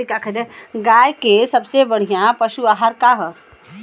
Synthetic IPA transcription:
ikakʰɐd̪eɡaːjkesɐbsebɐɽ̤ijãpɐʃuaːɦaːɾkaɦə

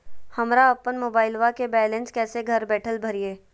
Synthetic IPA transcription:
hɐmɾaɐpːənmoːbaːɪlʋakebɛːlẽnskɛːseɡʱɐɾbɛːʈʰəlbʱɐɾieː

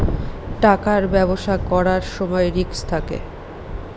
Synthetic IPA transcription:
ʈakaɾbɛboʃakɔɾaɾʃɔmɔeɾikst̪ʰakḛ

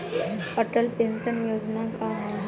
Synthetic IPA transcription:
əʈəlpẽnʃənjoːd͡ʒnãkaɦ

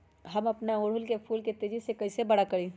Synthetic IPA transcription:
ɦɐmɐpnaoːɽʊlkepʰuːlket̪eːd͡ʒisekɐisebɐɽakɐɽẽː

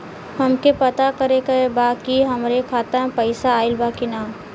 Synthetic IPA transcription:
hɐmkepɐt̪akɐɾekɐebaːkiɦɐmɾekʰaːt̪aɦɛ̃pɐɪsaːɪlbaːkinaː

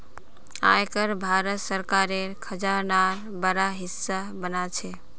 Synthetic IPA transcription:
a̰jkəɾbʱaɾət̪səɾkaɾeɾkʰəd͡ʒanaɾ | bəɾaɦisːabənat͡ʃʰe

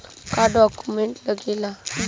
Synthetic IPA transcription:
kaɖɔkumeɳʈləɡela

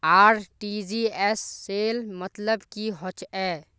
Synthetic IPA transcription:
aːɾʈid͡ʒiɛsːeːlmət̪ləbkiɦɔt͡ʃɛː

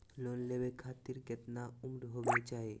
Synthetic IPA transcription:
lonlebekʰat̪iɾɡɛt̪naumɾɦobet͡ʃae

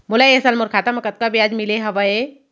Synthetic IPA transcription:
mʊlaesalmʊɾkʰaːt̪amɐkət̪̚kabijaːd͡ʒmileɦɐʋəe

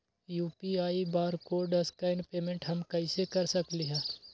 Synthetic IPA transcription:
juːpiaːibaːɾkoːɖɐskaɪnpeːmẽɳʈɦɐmkɐɪsekɐɾsɐkliɦɛ̃ː

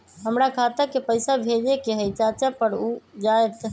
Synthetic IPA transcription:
ɦəmɾakʰat̪əkepəɪsabʱed͡ʒekeɦəjt͡ʃat͡ʃapəɾud͡ʒaet̪

